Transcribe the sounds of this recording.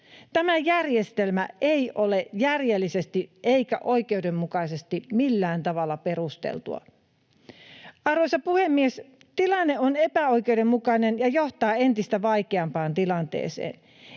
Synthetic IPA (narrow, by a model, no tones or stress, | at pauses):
t̪æmæjærjest̪elmæeijʔolejærjelːisest̪iʔeikæ̰ʔo̞ike̞udemːukɑisest̪imilːæːnt̪ɑʋɑlːɑpe̞ɾust̪ḛlt̪ṵɑ̰ | ɑrʋoisɑpuhemːies | t̪ilɑnːeonepæoik̟eude̞mːukɑnenjɑjoht̪ɑːent̪ist̪æʋɑikeɑmpɑːnt̪ilɑnt̪ḛːsḛːn